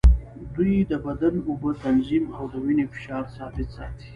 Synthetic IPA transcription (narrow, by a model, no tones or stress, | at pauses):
d̪ujd̪əbad̪anubət̪anzimawd̪əwinefɪ̥ʃɑːɾsɑbɪt̪sɑ̰t̪i̥